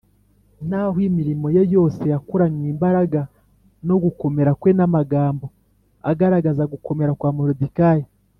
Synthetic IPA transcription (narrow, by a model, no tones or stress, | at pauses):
n̥aɦwimiɾimo̞jo̞jo̞ːse̞jakuɾaɲiːmbaɾaɡa | no̞ɡuko̞me̞ɾakwenamaɡaːmbo̞ | a̰ɡaɾaɡazaɡuko̞me̞ɾakwaːmoɾodikaje